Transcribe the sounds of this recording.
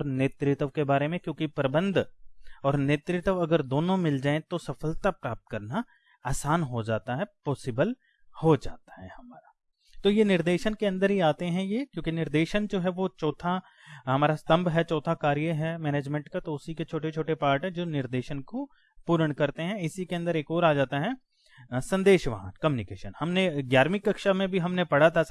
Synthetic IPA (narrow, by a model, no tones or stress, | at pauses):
ɔɾneːt̪ɾɪt̪əʋkebaːɾemẽkjõːkipɾɐbə̃nd̪ʱɔːɾneːt̪ɾɪt̪əʋɐɡəɾd̪oːnõmɪld͡ʒaːẽt̪osɐfəlt̪apɾaːp̚t̪̚kɐɾna | aːsaːnɦod͡ʒaːt̪aɦɛpɔːsɪbəl | hod͡ʒaːt̪aɦɛhɐmaːɾa | t̪ojenɪɾd̪eːʃənkeɐ̃nd̪əɾɦiaːt̪eɦɛ̃jekjõːkinɪɾd̪eːʃənd͡ʒoːɦɛʋot͡ʃɔːt̪ʰa | ɦɐmaːɾast̪ɐ̃mbʱɦɛt͡ʃɔːt̪ʰakaːɾijəɦɛmɛːneːd͡ʒmɛ̃ɳʈkat̪oʊsiket͡ʃʰoːʈet͡ʃʰoːʈepaːɾʈɦɛ̃d͡ʒoːnɪɾd̪eːʃənko | puːɾəɽ̃kɐɾt̪eɦɛ̃ɪsikeɐ̃nd̪əɾeːkɔːɾaːd͡ʒaːt̪aɦɛ | sɐ̃nd̪eːʃʋa̰ɦã̰t̪kɐmjuːnɪkeːʃənhɐmneɡjaːɾmɪkːɐkʃamẽbʱiɦɐmnepɐɽ̤at̪ʰa